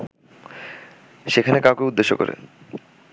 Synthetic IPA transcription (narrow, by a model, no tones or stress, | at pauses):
ʃekʰanekawkeud̪ːeʃːo̰kɔ̰ɾḛ